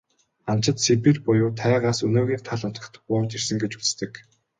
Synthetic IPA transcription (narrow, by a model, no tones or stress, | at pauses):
an̥t͡ɕɪ̆t̪sepĭrpʊjʊːt̪ʰæːʁaːsɵnoːɣiːkt̪ʰaɮʊn̥t̪ə̆xt̪ʊːt͡ɕirsɘ̆ŋɡet͡ɕu̥t͡s̆t̪ɘ̆k